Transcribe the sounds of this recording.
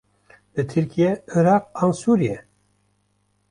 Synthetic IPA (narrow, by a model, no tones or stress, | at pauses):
d̪ɨt̪ʰɨɾkʰijɛɨɾɑːqɑnsuːɾijɛ